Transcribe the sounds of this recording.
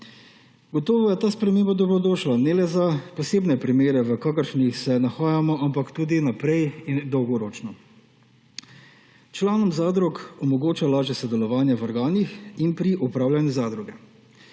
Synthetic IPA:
ɡɔt̪ɔːʋɔjɛt̪aːspɾɛmeːmbad̪ɔbɾɔd̪oːʃlanɛlɛzapɔseːbnɛpɾimeːɾɛʋəkaːkəɾʃnixsɛnaxaːjamɔʔampakt̪uːd̪inapɾɛjind̪ɔwɡɔɾoːt͡ʃnɔ | t͡ʃlaːnɔmzaːd̪ɾɔkɔmɔɡoːt͡ʃalaːʒjɛsɔd̪ɛlɔʋaːnjɛʋɔɾɡaːnixinpɾiʔupɾaːwlʲanjuzaːd̪ɾuɡɛ

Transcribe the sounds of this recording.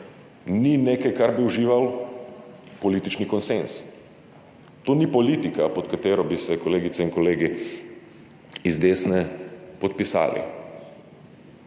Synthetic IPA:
nineːkajkaɾbiuʒiːʋal | pɔliːt̪it͡ʃnikɔnsens | t̪oːnipɔliːt̪ikapɔt̪kat̪eːɾɔbisɛkɔleːɡit̪ɛinkɔleːɡi | izd̪eːsnɛpɔt̪̚pisa̰ːlḭ

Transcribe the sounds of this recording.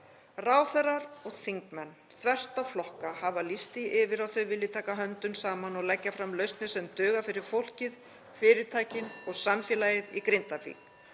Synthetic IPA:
raːwθɛɾaɾɔɣθiŋkmɛnː | θvɛr̥t̪awflɔhkahavalist̪ɪɪvɪɾawθœɥvɪlːɪt̪ʰaːkaɦœnt̪ʏnsaːmanɔɣlɛcːafɾamlœɥst̪nɪsɛmt̪ʏːɣafɪɾɪɾ̥fowl̥cɪð | fɪːɾɪt̪ʰaːjcɪnɔɣsamfjɛːlajɪðikɾent̪afḭːk

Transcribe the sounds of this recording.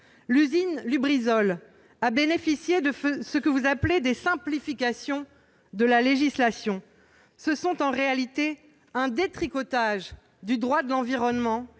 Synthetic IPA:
lyzinlybʁizɔl | abenefisjed̪əfsəkəvuzapled̪esɛ̃plifikʲasjɔ̃ | d̪əlaleʒislasjɔ̃ | səsɔ̃t̪ɑ̃ʁealit̪e | ɛ̃d̪et̪χikɔt̪aʒ | d̪yd̪ʁwad̪əlɑ̃viʁɔnmɑ̃

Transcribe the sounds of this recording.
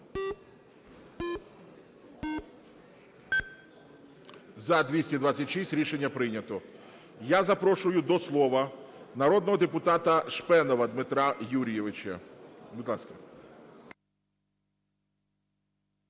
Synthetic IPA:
zɐd̪ʋʲisʲtʲid̪ʋat͡sʲːɐtʲʃisʲtʲɾʲiʃenʲːɐpɾɪnʲɐt̪ɔ | jazɐpɾɔʃʊjʊd̪ɔslˠɔʋɐnɐɾɔd̪nɔɦɔd̪epʊt̪ɑt̪ɐʃpɛnɔʋɐd̪mɪt̪ɾɑjuɾʲijeʋɪt͡ʃɐ̰bid̪lˠɑskɐ̥

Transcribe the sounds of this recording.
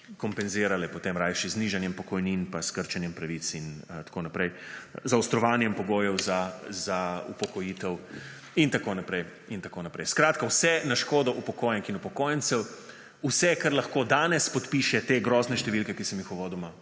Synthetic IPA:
kɔmpɛnzɪːɾalɛpɔt̪emɾajʃizniʒanjɛmpɔkɔjninpaskəɾt͡ʃɛnjɛmpɾɐʋit̪sint̪ḁkoːnapɾɛjzawst̪ɾɔʋaːnjɛmpɔɡoːjɛwzazaṵpɔkɔjiːt̪ɛw | int̪akoːnapɾɛj | int̪akoːnapɾɛjskɾaːt̪kawsɛnaʃkoːd̪ɔʔupɔkoːjɛŋkinupɔkoːjɛnsɛw | usɛkaɾlɐxkoːd̪aːnɛspɔt̪piːʃɛt̪eːɡɾɔːznɛʃt̪ɛʋilkɛkisɛmjixɔʋoːd̪ɔma

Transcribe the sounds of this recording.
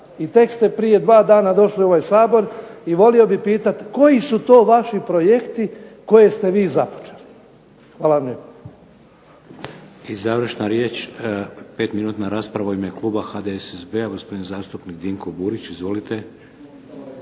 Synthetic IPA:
it̪e̞kst̪e̞pɾije̞d̪ʋaːd̪aːnad̪o̞ʃlio̞ʋajsaːbo̞ɾiʋo̞lio̞bipiːt̪at̪ko̞jisut̪o̞ːʋaʃipɾo̞je̞kt̪iko̞je̞st̪e̞ʋiːzapo̥t͡ʃeli̥ | xʋaːlaʋamʎeb | izaʋɾ̩ʃnaɾjeːt͡ʃ | peːt̪minuːt̪naɾaːspɾaʋaimeklˠuːbaxaːd̪eesezbeaɡo̞spod̪inzaːst̪upnikd̪iŋkobuːɾit͡ɕizʋo̞lit̪e

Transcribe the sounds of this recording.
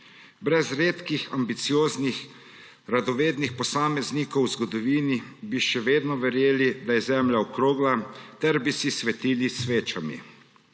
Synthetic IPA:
bɾɛzɾeːt̪kixa̰mbit̪sijoːznix | ɾad̪ɔʋeːd̪nixpɔsaːmɛznikɔwzɡɔd̪ɔʋiːnibiʃɛʋeːd̪nɔʋɛɾjeːlid̪ajɛzɛmljaɔkɾoːɡlat̪ɛɾbisisʋɛt̪iːlisʋeːt͡ʃamḭ

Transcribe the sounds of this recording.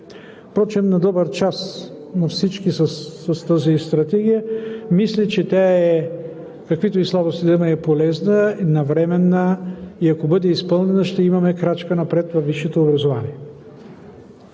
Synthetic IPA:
pɾɔt͡ʃɛmnɐd̪ɔbəɾt͡ʃas | nɐfsit͡ʃkisəːɐst̪azist̪ɾɐt̪ɛɡ̟ijəmislit͡ʃɛt̪ʲaɛ | kɐkvit̪oislˠabost̪id̪ɛməɛpolɛznəinɐvɾɛmɛnːəiɐkobɤd̪ɛispɤlˠnɛnəʃt̪ɛimɐmɛkɾat͡ʃkənɐpɾɛt̪vɐfːiʃɛt̪oːbɾɐzova̰niɛ

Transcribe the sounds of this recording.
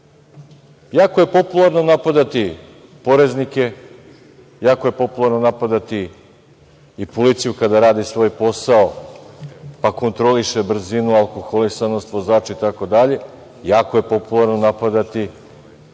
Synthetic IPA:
jaːkoje̞po̞pulˠaɾno̞napad̪at̪i | po̞ɾe̞znike̞ | jaːko̞je̞po̞pulˠaɾno̞napad̪at̪i | polit̪sijukad̪aɾaːd̪isʋo̞ːjpo̞sao | pako̞nt̪ɾo̞liʃe̞br̩zinualˠko̞xo̞lisano̞st̪ʋo̞zaːt͡ʃait̪ako̞d̪aʎe̞ | jaːkoje̞po̞pulˠaɾno̞napad̪at̪i

